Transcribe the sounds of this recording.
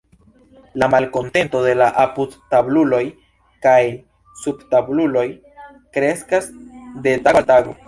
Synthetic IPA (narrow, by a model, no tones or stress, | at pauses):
lamalko̞nte̞nto̞de̞laʔapudtablulo̞j | kaj | subtablulo̞j | kɾe̞skasde̞daɡataɡo̞̰